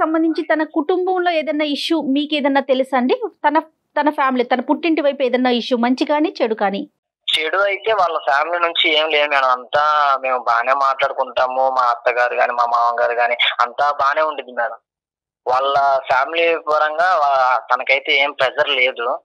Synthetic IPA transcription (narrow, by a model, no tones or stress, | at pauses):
kisɐmbɐnd̪iɲt͡ʃit̪ɐnɐkuʈumbɐmlo̞ːeːd̪ɐnːaːiʃumiːkeːd̪ɐnːaːt̪e̞lisɐɳɖit̪ɐnɐ | t̪ɐnɐpʰjaːmilit̪ɐnɐpuʈːiɳʈiʋɐjpeːd̪ɐnːaːiʂːumɐɲt͡ʃikaːnit͡ʃeɽukaːni | t͡ʃeɽuɐjit̪e̞ːʋaːɭːɐpʰaːmilinuɲt͡ʃieːmileːmɛːnɐmɐnt̪aːme̞ːmubaːneːmaːʈlaːɽukuɳʈaːmumaːɐt̪ːɐɡaːɾuɡaːniːmaːmaːʋɐŋɡaːɾuɡaːniɐ̰nt̪aːbaːne̞ːuɳɖind̪inaːɾu | ʋaːɭːɐpʰjaːmilipɐɾɐŋɡaːat̪ɐnɐkɐjt̪eːeːmpɾɐd͡ʒɐɾle̞ːd̪u